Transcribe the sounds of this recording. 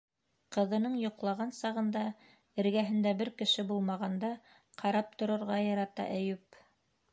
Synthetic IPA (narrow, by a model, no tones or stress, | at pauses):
qɤ̆ðɤ̆nɤɴjŏqlˠɑʁɑnsɑʁɤ̆nd̪ɑ | ɘ̆ɾɡæɦɘ̆nd̪æbɘɾkɘ̆ʃɘbulˠmɑʁɑnd̪ɑ | qʰɑɾɑp̚t̪ŏɾɤ̆ɾʁɑjɑɾɑt̪ɑ̰ʔæ̆jʉp